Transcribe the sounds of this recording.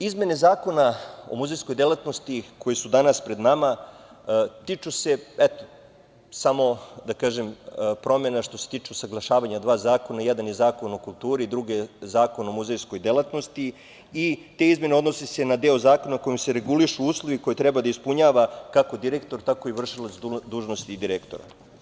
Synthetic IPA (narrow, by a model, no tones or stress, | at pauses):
izme̞ne̞zaːko̞nao̰muzejsko̞jd̪elat̪nost̪iko̞jesud̪anaspɾe̞d̪nama | t̪it͡ʃuse̞ɛt̪o | samo̞d̪akaːʒempɾo̞me̞naʃt̪o̞set̪iːt͡ʃusaɡlˠaʃaːʋaɲad̪ʋaːzaːko̞najɛd̪anjezaːko̞nokulˠt̪uːɾiːd̪ɾuɡezaːko̞naomuzejsko̞jd̪elˠat̪no̞st̪i | it̪e̞izme̞neo̞d̪no̞sese̞nad̪eːozaːko̞nako̞jimse̞ɾe̞ɡuliʃuuːslˠo̞ʋiko̞jet̪ɾɛbad̪aispuɲaːʋakako̞d̪iɾekt̪o̞ɾt̪ako̞iʋr̩ʃilat̪sd̪uːʒnost̪iːd̪iɾekt̪o̞̰ɾa̰